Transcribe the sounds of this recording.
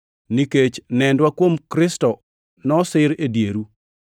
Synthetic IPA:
niket͡ʃnɛndwakwomkɾɪstɔ | nɔsɪɾedjeɾu

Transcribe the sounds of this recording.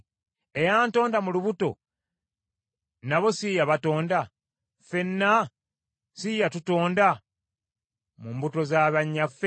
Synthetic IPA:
e̞jaːnto̞ːndamuluβuto̞̰ | naβo̞sijaβato̞ːnda | fe̞nːa | sijatuto̞ːnda | mumbuto̞zaːβaɲːafe

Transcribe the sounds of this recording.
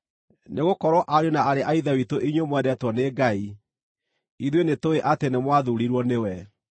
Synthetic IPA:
neɣokɔɾwɔʔaɾjonaaɾeʔaiðawitoʔiɲwemwɛndɛtwɔneɡai | iðwenetoeʔatenemwaðuɾiɾwɔnewɛ

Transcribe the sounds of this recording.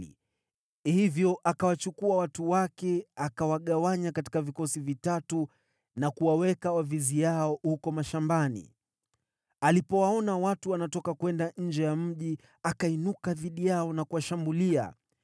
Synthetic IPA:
hivjɔʔakawat͡ʃukuawatuwakɛakawaɠawaɲakati̥kavikɔsivitatu | nakuwawɛkawavizijaɔhukɔmaʃambanḭ | alipɔwaɔnawatuwanatɔkakwɛndaɲ̩d͡ʒɛjam̩ʄi | akainukaðiɗijaɔnakuwaʃambulia̰

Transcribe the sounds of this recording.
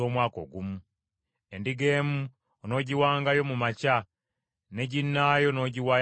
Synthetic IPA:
oːmwaːko̞̰ɡumu | endiɡeːmu | ono̞ːɟiwaːŋɡajo̞mumaca | ne̞ɟinːajo̞no̞ːɟiwa

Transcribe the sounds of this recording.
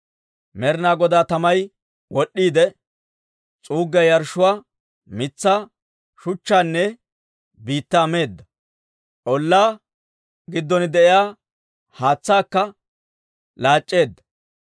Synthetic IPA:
mɛɾnaːɡɔd̪aːt̪ɐmɐj | wɔɗːiːd̪ɛ | t͡sʼuːɡːɐjɐɾʃʊwaː | mɪt͡sːaː | ʃʊt͡ʃːaːnːɛ | biːt̪ːaːme̞ːd̪ːɐ | ʔɔlːaː | ɡɪd̪ːɔnɪd̪ɛʔɪjaː | haːt͡sːaːkːɐ | laːt͡ʃʼːe̞ːd̪ːɐ̥

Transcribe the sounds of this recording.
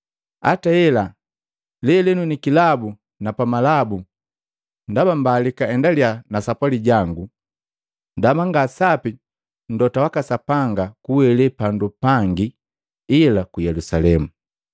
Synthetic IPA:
a̰taɛla | lɛlɛnunikilabu | napamalabu | ndabambalikaɛndaljanasapwaliɟaŋɡu | ndamaŋɡasapi | n̩dɔtawakasapaŋɡakuwɛlɛpandupaŋɡiː | lakujɛlusalɛmu

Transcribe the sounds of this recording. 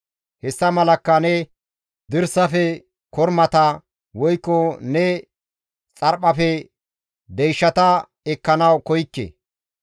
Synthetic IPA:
hɛsːɐmɐlɐkːɐnɛ | d̪ɪɾsɐfɛ | kɔɾmɐt̪ɐ | wɔjkːɔnɛ | t͡sʼɐɾpɐfɛ | d̪ɛjʃːɐt̪ɐ | ɛkːɐnɐwkɔjkːḛ

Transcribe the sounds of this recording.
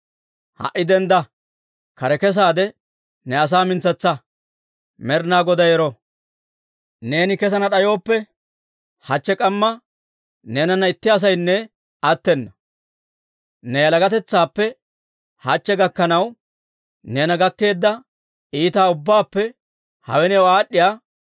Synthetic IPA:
hɐ̰ʔːɪd̪ɛnd̪ɐ | kɐɾɛkɛs̬aːd̪ɛ | nɛɐs̬aːmɪnt͡sːɛt͡sːɐ | mɛɾnaːɡɔd̪ɐjɛɾɔ | ne̞ːnɪkɛs̬ɐnɐɗɐjo̞ːpːɛ | hɐt͡ʃːɛkʼɐmːɐ | ne̞ːnɐnːɐɪt̪ːɪɐs̬ɐjnːɛ | ɐt̪ːɛnːɐ | nɛjɐlɐɡɐt̪ɛt͡sːaːpːɛ | hɐt͡ʃːɛɡɐkːɐnɐw | ne̞ːnɐɡɐkːe̞ːd̪ːɐ | iːt̪aːʊbːaːpːɛ | hɐ̰wɛnɛɔaːɗːɪjaː

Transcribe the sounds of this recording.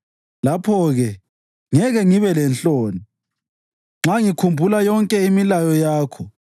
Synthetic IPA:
lapʰɔɣɛ | ŋɛɣɛŋiβɛlɛnɬt͡ɬʼoːni | ŋ͡ǁaŋikʰumbʱulajɔŋkʼɛimilajɔjaːkʰɔ

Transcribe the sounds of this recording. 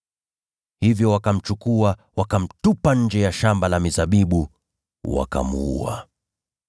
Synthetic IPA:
hivjɔwakam̩t͡ʃukua | wakam̩tupaɲ̩d͡ʒɛjaʃambalamizaɓiɓu | wa̰ka̰muṵa̰

